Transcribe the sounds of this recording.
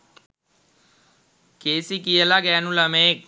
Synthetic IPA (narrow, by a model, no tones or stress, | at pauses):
keːsikijəlaɡɛːnũlɐmeːk̚